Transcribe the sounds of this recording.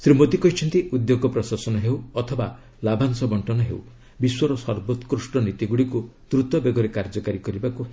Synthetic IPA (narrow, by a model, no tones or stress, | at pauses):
sɾimot̪ikɔɦit͡ʃʰɔnt̪iʔud̪joɡɔpɾɔsasɔnɔɦewɔt̪ʰɔba | labʱansɔbɔɳʈɔnɔɦḛw | biswɔɾɔsɔɾbot̪kɾusɳɔnit̪iɡuɽikut̪ɾut̪ɔbeɡɔɾekaɾd͡ʒɔkaɾikɔɾibaku